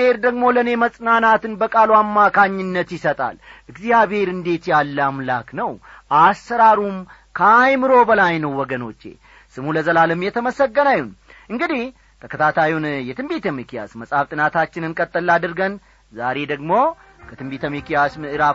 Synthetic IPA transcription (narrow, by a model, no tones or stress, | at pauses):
e̞ɾd̪əɡmo̞ləne̞məsʼnanat̪ɨnbəkʼaluamːakʰaɲːɪnːət̪jɪsət̪ʼa̰lɨɡzijaβhe̞ɾɨnd̪e̞t̪jalːamlaknəw | ʔasːəɾaɾum | kʰəjmɨɾo̞bəlajnəwːɔɡəno̞t͡ʃːe̞̰ | sɨmuləzəlaləmjɛt̪ʰəməsəɡːənajun | ʔɨŋɡɨd̪ih | t̪ʰəkʰət̪ʰat̪ʰajunjɛt̪ʰɨmbit̪əmikija̰sməsʼaft̪ʼɨnat̪ʰat͡ʃːɪnɨnkʼət̪ʼːəlːad̪ɨɾɡən | zaɾe̞d̪əɡmo̞ | kʰət̪ʰɨmbit̪ʰəmikijasmɨʔɨɾa